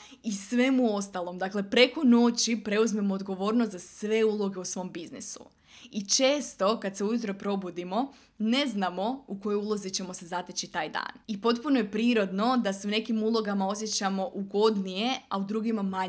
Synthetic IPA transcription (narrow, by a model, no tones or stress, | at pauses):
isʋe̞muo̞st̪alˠo̞md̪akle̞pɾe̞ko̞no̞t͡ɕipɾe̞uzme̞mo̞ːd̪ɡo̞ʋo̞ːɾnost̪zasʋe̞uːlˠo̞ɡe̞usʋo̞mbiznḭsṵ | it͡ʃe̞ːst̪o̞kad̪se̞ujut̪ɾo̞pɾo̞bud̪imo̞ | ne̞znamo̞uko̞joulˠozit͡ɕe̞mo̞sezat̪et͡ɕit̪aːjd̪a̰ːnipo̞t̪puno̞je̞pɾiːɾo̞d̪no̞d̪ase̞une̞kimulˠo̞ɡamao̞s̬jet͡ɕamo̞ʔuɡo̞d̪nije̞a̰ud̪ɾuːɡimamaɲ